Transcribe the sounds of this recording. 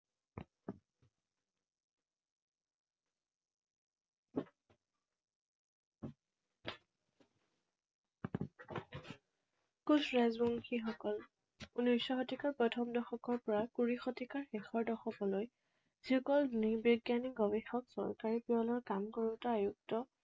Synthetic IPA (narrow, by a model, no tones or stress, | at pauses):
kusɹazbuŋkʰixɔkɔl | unɔjsɔxɔtikaɹpɹɔtʰɔmdɔxɔkɔɹpɔɹakuɹixɔtikaɹxɛxɔɹdɔxɔkɔloj | z̥ihɔkɔlnibɔɡjanikɡɔbexɔksɔ̰ɹkaɹipiɔlɔɹkamkɔɹutɔajuk̚tɔ